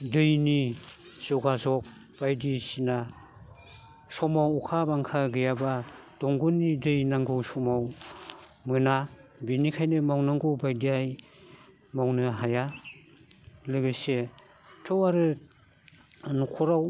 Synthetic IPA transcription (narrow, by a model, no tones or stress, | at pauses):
dɯjniz̥ɔɡazɔk̚ | b̥ajdisina | sɔmawɔkʰabaŋkʰaɡɯjabad̥ɔŋɡunːidɯjnaŋɡɯwsɔmaw | mɯnabinikʰajnɯmawnaŋɡɯwbajdiaj | mawnɯɦaja | lɯɡɯse | tʰɯwaɾɯ | nukʰɔɾaw